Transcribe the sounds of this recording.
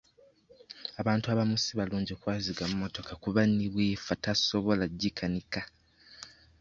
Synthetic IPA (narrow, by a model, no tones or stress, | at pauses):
aβaːntuaβamusiβaluːɲɟiokwaːziɡamumo̞to̞kakuβanːiβwiːfataso̞βo̞laɟːikʰanika